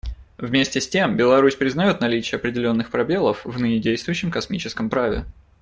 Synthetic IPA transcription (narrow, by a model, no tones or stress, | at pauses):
vmʲesʲtʲɪsʲtʲe̞mbʲɪlˠɐɾusʲpɾʲɪznɐjo̞t̪nɐlʲit͡ɕɪjəɐpɾʲɪdʲɪlʲo̞nːɨxpɾɐbʲelˠəfvnɨnʲɪdʲejst̪vʊjʏɕːɪmkɐsmʲit͡ɕɪ̥skəmpɾavʲɪ̰